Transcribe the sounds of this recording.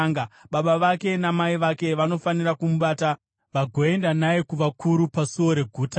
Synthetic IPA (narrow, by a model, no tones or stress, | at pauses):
ɡaɓaɓaʋake̞namaiʋake̞ʋano̞fanirakumuɓaːta | ʋaɡʱo̞e̞ndanaekuʋakʰuɾupasuwo̞ɾe̞ɡʱuːta